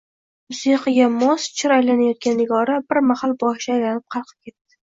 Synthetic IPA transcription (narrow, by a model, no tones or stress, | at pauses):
mʊsiqʰɨɡʲamɒst͡ʃʰɪɾajlanajɒt̪̚kʲanɪɡɒɾabɪɾmahalˠbɒʃaːjlanɪp̚qʰɑlˠqʰɨ̥p̚kʲe̞t̪ːɪ̥